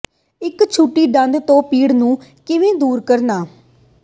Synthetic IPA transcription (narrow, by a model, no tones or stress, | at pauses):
ɪkt͡ʃʰuʈːiːɖə̃nd̪t̪õːpiːɽnũːkɪʋẽːd̪uːɾkəɾnaː